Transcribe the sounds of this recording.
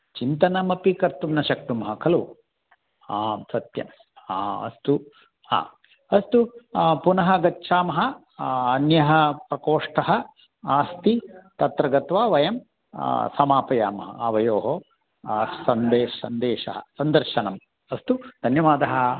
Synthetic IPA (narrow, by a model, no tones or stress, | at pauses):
t͡ʃint̪ɐnɐmɐpikɐɾt̪umnɐʃɐk̚t̪umɐɦɐkʰɐlu | aːmsɐt̪jɐ̰m | aːɐ̰st̪u | a̰ː | ɐst̪upunɐɦɐɡɐtːʃʰaːmɐɦɐ | ɐnjɐɦɐ̆pɾɐkoːʂʈɐɦɐ | aːst̪it̪ɐt̪ɾɐɡɐt̪ʋaːʋɐjɐm | sɐmaːpɐjaːmɐɦɐ̰ɐʋɐjoːɦo | sɐnd̪eːʃɐsɐnd̪eːʃɐ̰ɦɐ̰sɐnd̪ɐɾʃɐnɐm | ɐst̪ud̪̥ʱɐnjɐʋaːd̪ɐɦɐ